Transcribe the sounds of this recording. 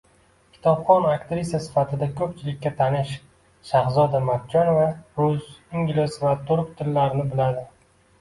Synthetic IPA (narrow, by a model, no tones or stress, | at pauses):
kʲʰɪ̥t̪ʰɒbχɒnakt̪ɾɪsijasɪ̥fat̪ʰɪd̪akʰɵp̚t͡ʃʰɪlɪkʲːat̪ʰanɪʃ | ʃahzɒd̪amab̚t͡ʃʰɒnvaɾʊziŋɡʲlɪsvat̪ʰʊɾpt̪ʰɪlːaɾnɪbɪlad̪ɪ